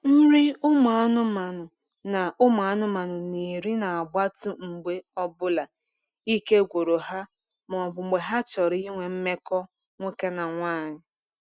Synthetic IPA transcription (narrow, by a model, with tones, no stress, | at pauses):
n̩˦ɾi˦ʊ˦ma˨a˦nʊ˦ma˨nʊ˨ | na˨ʔʊ˦ma˨a˦nʊ˦ma˨nʊ˨ne˨ɾi˦na˨a˨ɡ͡ba˦tʊ˦ŋ͡m̩˨ɡ͡be˦ɔ˦bʊ˦la˨ | i˦ke˦ɡʷo˨ɾo˨ɦa˦ | mɔ˨ɡ͡bʊ˨ŋ͡m̩˨ɡ͡be˨ɦa˦t͡ʃɔ˨ɾɪ˦i˦ŋʷe˨m̩˦me˦kɔ˦ | ŋʷe˦ke˦na˨ŋʷaː˦˨ɲɪ˨